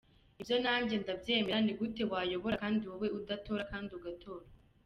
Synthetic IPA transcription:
ibjo̞naːmɟe̞ndabje̞ːme̞ɾaniɡute̞βwaːjo̞βo̞ɾakaːndiwoweʔudato̞ːɾakaːndiuɡatʰo̞ːɾa

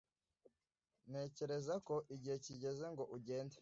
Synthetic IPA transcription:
ne̞ːce̞ɾe̞zako̞ʔiɟihe̞ciɟe̞ze̞ŋɡo̞ʔuɟe̞ːnde

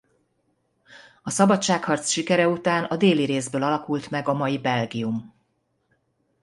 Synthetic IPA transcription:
ɒsɒbɒt͡ʃʃaːkhɒrt̪sʃikɛɾɛut̪aːnɒd̪eːliɾeːzbøːlɒlɒkult̪mɛɡɒmɒjibɛlɡijum

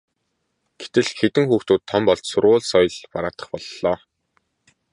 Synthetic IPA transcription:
ɡ̥et̪ɘ̆ɮxet̪ɘ̆ŋxuːxt̪uːt̪ʰːɔmpɔɮt͡ɕsʊɾʁʊːɮsɔjɮpaɾaːt̪ə̥̆χpɔɮːɔː

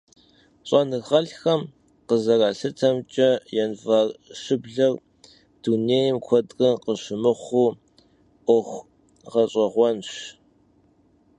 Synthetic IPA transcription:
ɕʼɐnɨʁɐɮxɐm | qəzɐraːɬɨtʰɐmt͡ʃʼɐjɛnvɐrʃɨbɮɐr | d̥uneːjmkʷʰɔdrʼɨqəʃɪmɨχʷuː | ʔʷɔxʷ | ʁɐɕʼɐʁʷɔnɕ

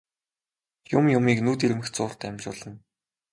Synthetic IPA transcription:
jʊmjʊmiːknuːt̪̬iɾɘ̆mɘ̆xt̪t͡sʊːr̥t̪ːæmʲt͡ɕʊːɮə̆n

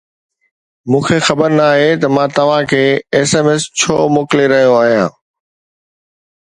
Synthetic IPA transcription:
mũːkʰexɐbəɾnaːɦet̪ɐmãːt̪ɐʋ̤ãkʰeːeːseːmeːst͡ɕʰoːmoːkɪleɾɐɦijoaːɦijãː

